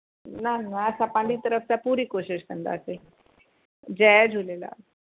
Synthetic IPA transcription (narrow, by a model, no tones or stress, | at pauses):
nannaəsapãɳɖiːt̪əɾəft͡sapuːɾiːkoɕiɕkʰə̃nd̪a̰əse | d͡ʑɛjd͡ʑʱulela̰